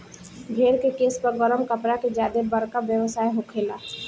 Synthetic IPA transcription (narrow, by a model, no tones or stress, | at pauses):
bʱeːɾkekeːspəɾɡɔɾəmkəpɾaked͡ʒjaːd̪ebəɾkabjəʋəsaːeɦokʰeːla